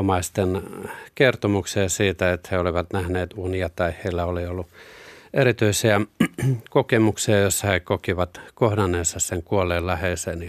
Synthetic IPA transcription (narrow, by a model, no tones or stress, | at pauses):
mɑist̪enkert̪omuksiɑsiːt̪æet̪heoliʋɑt̪næhneːt̪uniɑt̪ɑiheilːæoliolːuʔerit̪yisiæ | kokemuksiɑjosːɑhekokiʋɑt̪kohdɑneːsːɑsseŋkuolːˑeːllæheˑseːni